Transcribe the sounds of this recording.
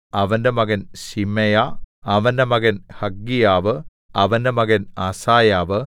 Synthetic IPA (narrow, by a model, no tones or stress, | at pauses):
ɐʋɐndemɐɡɐnɕimɐjaɐʋɐndemɐɡɐnhɐɡːijaːʋɨ | ɐʋɐndemɐɡɐnɐsaːjaːʋɨ